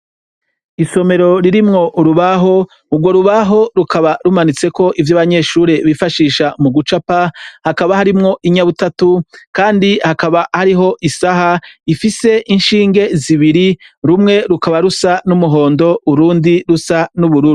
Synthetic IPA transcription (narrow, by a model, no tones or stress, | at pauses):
iʃo̞me̞ɾo̞ɾiɾimŋo̞ʔuɾuβaɦo̞ | ubɡwo̞ɾuβaɦo̞ɾukaβaɾumanit͡se̞ko̞ʔivjaβaɲe̞ːʃuːɾe̞βifaʃiːʃamuɡut͡ʃapahakaβahaɾimŋo̞ʔiɲaβutatukaːndihakaβahaɾiɦo̞ʔisaɦaifise̞ʔinʃiːŋɡe̞ziβiɾiɾumŋe̞ɾukaβaɾusanumuɦo̞ːndo̞ʔuɾuːndiɾusanuβuɾuɾu